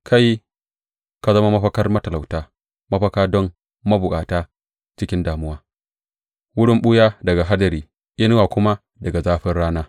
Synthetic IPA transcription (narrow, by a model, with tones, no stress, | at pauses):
kʰa˦j | ka˨zɐ˦ma˦mɐ˦ɸɐ˦kɐ˦rmɐ˦tɐ˨la˨wtaː˦ | mɐ˦ɸɐ˦kaː˦dɔ˦mː | ɐ˦bʊ˨kʼaː˨taː˦ | t͡ʃɪ˦kʲɪ˦ndaː˨mʊ˦waː˦ | wʊ˦ɽɪ˦mɓʊ˦jaː˦dɐ˨ɡa˨ɦa˦dɐ˨ɾiː˨ | ʔɪ˦n˦waː˨kʷʊ˦ma˦ | dɐ˨ɡa˨zaː˦ɸɪ˦rɽaː˦naː˦